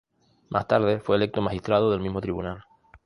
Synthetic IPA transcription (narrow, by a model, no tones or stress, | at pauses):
mʔa̰st̪aɾð̞efweːlek̚t̪omaxist̪ɾað̞oðe̞lmizmo̞t̪ɾiβṵnal